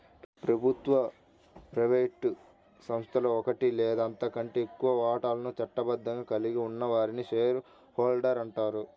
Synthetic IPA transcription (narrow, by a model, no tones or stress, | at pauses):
pɾɐbʱut̪ʋɐ | pɾɐʋeʈː | sɐmst̪ʰɐloɔkɐʈileːd̪ɐnt̪ɐkɐɳʈeːekːuʋɐʋaːʈaːlɐnut͡ʃɐʈːɐbɐd̪ːɐŋɡaːkɐliɡiunːɐʋaːɾiniʃeːɾu | hoːlɖɐɾɐɳʈaːɾu